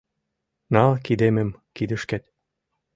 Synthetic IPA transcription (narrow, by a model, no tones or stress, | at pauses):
nɑlkid̪emĕmkid̪ə̆ʃkĕt̪̚